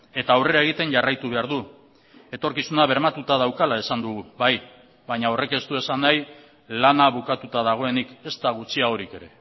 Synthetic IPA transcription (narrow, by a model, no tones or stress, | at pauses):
e̞t̪aːwre̞ɾae̞ɣ̞it̪e̞nʝarajt̪uβ̞e̞aɾðu | e̞t̪o̞ɾkisunaβ̞e̞ɾmat̪ut̪að̞awkalae̞sand̪uɣuβaj | βaɲao̞re̞ke̞st̪ue̞sanːaj | lanaβukat̪ut̪aðaɣ̞o̞e̞nike̞st̪aɣ̞ut͡siao̞ɾike̞ɾe̞